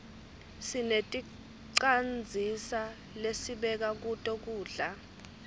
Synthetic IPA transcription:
sinetʼi | ǀand͡zʱisa | lesiɓɛk̬ak̬utʼok̬uːɮa

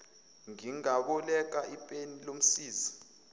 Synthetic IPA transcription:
ŋiŋaɓɔlɛk̬aʔipʼenilom̩siːzi

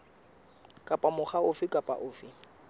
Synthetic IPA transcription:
kʼapʼamʊχaʊfɪkʼapʼa̰ʔʊːfɪ

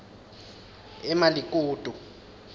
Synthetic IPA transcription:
ɛmalik̬ʼuːd̥ʱu

